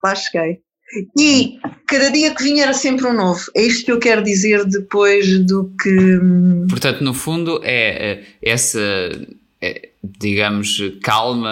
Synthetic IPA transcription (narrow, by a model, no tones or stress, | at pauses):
laʃkɐj | ikɐðɐðiɐkviɲɛɾɐsẽmpɾũnovuɛiʃt̪u̥kewkɛɾðizeɾðɨpojʒðukɨ | puɾt̪ɐ̃nt̪unufũnd̪uʔɛɛɛsɐ | ɛ̰d̪iɣɐmuʃkalˠmɐ